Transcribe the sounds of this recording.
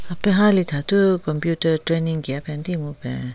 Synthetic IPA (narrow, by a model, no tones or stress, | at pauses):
apɛɦalit̪ʰat̪ukɔmpjutəʈ͡ʂɹeniŋkɛpʰɛnt̪imuʔpɛ̰